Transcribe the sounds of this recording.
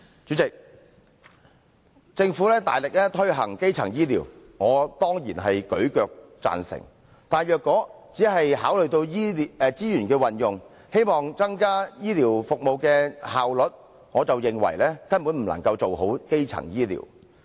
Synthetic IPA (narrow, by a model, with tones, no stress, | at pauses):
t͡syː˨˥t͡sɪ˨k̚ | t͡sɪ˧ŋfuː˨˥lɛː˥t̪a̰ː˨jlɪ˨k̚lɛː˥t̪ʰɵ˥ɥɦɐ̰˨˩ŋke˥jt͡sʰɐ̰˨˩ŋjiː˥lḭː˨˩wŋɔː˨˧t̪ɔː˥ŋjiː˨˩nɦɐ˨jkɵ˨˥ɥkœː˨˧k̚t͡sa̰ː˨nsɪ̰˨˩ŋ | t̪aː˨˧njœː˨kːɔː˨˥t͡siː˨˥ɦɐ˨jɦaː˨˥wlɵ˨ɥt̪o˧wjiː˥˨˧t͡siː˥jyː˨˩nkɛː˧wɐ˨njʊ˨ŋ | he˥jmɔː˨˩ŋt͡sɐ˥ŋkaː˥jiː˥liː˨˩wfʊ˨k̚mo˨wkɛː˧haː˨wlɵ˨t̚ | ŋɔː˨˧t͡sɐ˨wjɪ˨ŋwɐ̰˨˩jlɛː˥kɐ˥npu˨˥nm̩˨˩lɐ̰˨˩ŋkɐ˧wt͡so˨wɦo˨˥wke˥jt͡sʰɐ̰˨˩ŋjiː˥lḭː˨˩w